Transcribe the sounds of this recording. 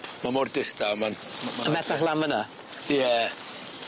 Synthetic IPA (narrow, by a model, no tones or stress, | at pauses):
mamɔrdɪstamanəmɛθaχlˠaməna | jɛ